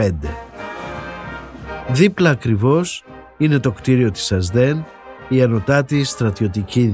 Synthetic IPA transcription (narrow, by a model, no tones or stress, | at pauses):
end̪e | ðiplɐːkɾivo̞s | ine̞t̪o̞kt̪iɾio̞t̪i̥sɐzd̪e̞n | iɐno̞t̪ɐt̪ist̪ɾɐt̪io̞t̪ici